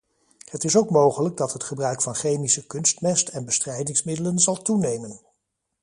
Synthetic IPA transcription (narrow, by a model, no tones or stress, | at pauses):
hətɪsowkmowχələɡ̚dɑtɦətχəbrœɥkfɑnχejmisəkɵnstmɛstɛnbəstrɛjdɪŋsmɪdələnzɑlˠtunejmən